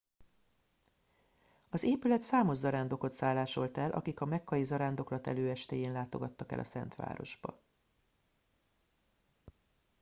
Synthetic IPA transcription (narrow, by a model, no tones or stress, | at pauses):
ɒzeːpylɛt̪saːmo̞ʒzɒɾaːnd̪o̞ko̞t̪saːlːaːʃo̞lt̪ɛlʔɒ̰kikɒmɛkʰːɒjizɒɾaːnd̪o̞klɒt̪ɛ̰løːɛʃt̪eːjeːnlaːt̪o̞ɡɒt̪ːɒkɛ̰lʔɒ̰sɛ̰nt̪ʋa̰ːɾo̞̰ʒbɒ̰